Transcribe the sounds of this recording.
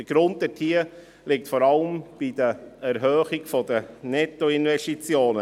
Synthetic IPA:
d̥əɡ̥ɾʊnt̚dɛtʰiə | lɪk̚tfɔɾɑləmb̥id̥əɛɾɦœːχiɡfɔdənɛtːoɪnvɛʃtit͡sjoːnə

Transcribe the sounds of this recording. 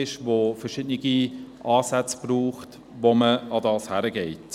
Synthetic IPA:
ɪʃʋofəɾʃɪdnɪɡiʔɑːsæt͡sb̥ruːχt | ʋoməɑdɑːshæɾəɡɛɪt

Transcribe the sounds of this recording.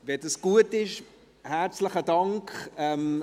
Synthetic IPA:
vɛdɑsɡ̥uətɪʃ | hæɾt͡sləχədɑŋkχɛm

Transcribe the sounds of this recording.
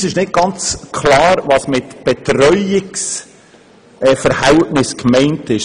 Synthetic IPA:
sɪʃnɪd̚ɡ̥ɑnt͡skʰlɑːɾvɑːsmɪtb̥ɛtɾœʏɪks | ɛfəɾhɛltnɪskmɛɪntɪʃ

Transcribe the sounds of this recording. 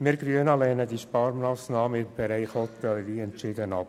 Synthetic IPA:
mɪɾɡɾyənɑlɛːnədiʃpɑɾmɑːsnɑːməɪmb̥ɛɾæɪχhɔt̪ɛlʋiːɛntt͡ʃɪd̪ənɑ̰p

